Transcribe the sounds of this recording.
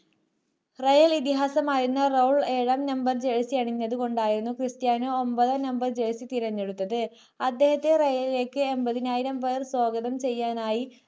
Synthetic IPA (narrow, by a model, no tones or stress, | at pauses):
rejɐlit̪iɦaːsɐmaːjiunːɐrowɭeːɻɐmnɐmbɐrd͡ʑe̞ɻsijɐɳiɲːɐðɨko̞ɳɖaːjiɾunːukristjaːnɨo̞mbɐðɐnɐmbɐrd͡ʑe̞ɻsit̪iɾɐɲːe̞ɽut̪ːɐðɨ | ɐd̪ːe̞ːhɐt̪ːe̞rejɐlile̞ːkːɨembɐðinaːjiɾɐmʋejrswoːɡɐðɐmt͡ɕe̞jːaːnaːji